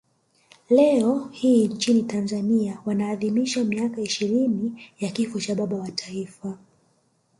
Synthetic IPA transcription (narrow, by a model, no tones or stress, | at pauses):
lɛɔhiːnt͡ʃinitanzaniawanaːðimiʃamiakaiʃiɾinijakifɔt͡ʃaɓaɓawatʰaifa